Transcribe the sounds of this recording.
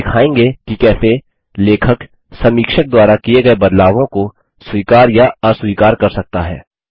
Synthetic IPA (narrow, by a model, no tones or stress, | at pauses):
ɪkʰaːẽːŋɡekikɛːse | leːkʰək | sɐ̃miːkʃək̚d̪waːɾakijeɡɐebɐd̪laːʋõko | swiːkaːɾjaɐswiːkaːɾkɐɾsɐk̚t̪aɦɛ̰ː